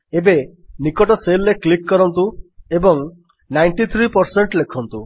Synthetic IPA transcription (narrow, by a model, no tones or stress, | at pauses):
ebenikɔʈɔselɾeklikːɔɾɔnt̪uebɔŋ | najɳʈit̪ʰɾipɔɾseɳʈlekʰɔnt̪u